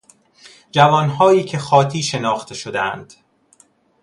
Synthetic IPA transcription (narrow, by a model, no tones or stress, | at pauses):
d͡ʒævɒːnɦɒːjiːcʰe̞xɒːt̪ʰiːʃe̞nɒːxt̪ʰe̞ʃod̪eæ̰nd̪̥